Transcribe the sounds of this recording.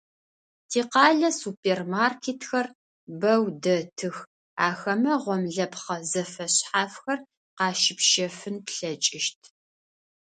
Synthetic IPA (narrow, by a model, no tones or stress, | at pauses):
tʰiːqɑːɮɐsupʰeːrmaːrkʰeːtʰxɐr | bɐwdɐtʰɨx | aːxɐmɐʁʷɔmɮɐpχɐzɐfɐɕħaːfxɐr | qɑːʃɪpʃɐfɨnpɬɐt͡ʃʼɪʃt̚ʰ